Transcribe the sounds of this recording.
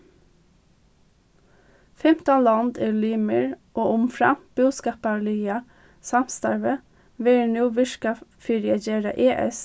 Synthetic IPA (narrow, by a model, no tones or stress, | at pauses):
fɛmt̪ɑlɑnd̪eːlyːməɹʔoːʔʊmfɹɑb̥ʉːskɑːpɑlyːɑ | sɑmst̪ɑɹʋə | ʋɪnuːʋɪʃkɑfɪɹɪɑd͡ʒeːɾɑ̰ʔeːʔɛ̰s